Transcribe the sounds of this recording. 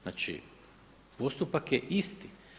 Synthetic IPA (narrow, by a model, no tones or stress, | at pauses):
naːt͡ʃḭ | po̞st̪upakjeʔist̪i